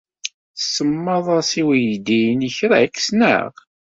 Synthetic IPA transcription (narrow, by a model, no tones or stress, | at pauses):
səmːɑðˤɑsiwijd̪ijnəçɾækːsnə̰ʁ